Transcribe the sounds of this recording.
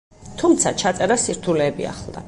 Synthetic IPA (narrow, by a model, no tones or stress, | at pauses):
t̪ʰumt̪sʰat͡ʃʰat̪sʼɛɾasiɾt̪ʰulɛːbia̰χlˠd̪a̰